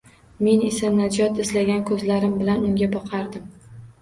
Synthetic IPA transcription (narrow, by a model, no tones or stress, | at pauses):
me̞nesanad͡ʒɒt̪ɪzlaɡʲankʰɵzlaɾɪmbɪlanʊŋɡʲabɒqʰɑɾd̪ɪm